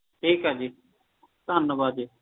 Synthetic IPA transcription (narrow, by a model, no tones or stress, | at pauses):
ʈʰiːkɦaːd͡ʒiː | t̪anəbaːd̪iː